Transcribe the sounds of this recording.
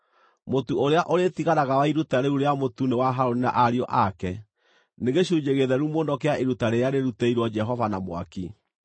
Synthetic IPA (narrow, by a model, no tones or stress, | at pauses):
motuoɾeaʔoɾetiɣaɾaɣawaiɾutaɾeuɾeamotunewaɦaɾonina̰ʔaɾiɔʔakɛ | neɣeɕuːɲd͡ʒeɣeðɛɾumoːndɔkeaʔeɾutaɾeaɾeɾutɛiɾwɔd͡ʒɛɦɔvanamwa̰ki